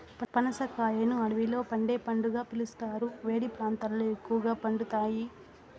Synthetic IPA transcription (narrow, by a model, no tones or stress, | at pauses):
pɐnɐsɐkaːjɐnuɐɽɐʋilo̞ːpɐɳɖeːpɐɳɖuɡaːpilust̪aːɾuʋe̞ːɽipɾaːnt̪alːoːekːuʋɐɡaːpɐɳɖut̪aːji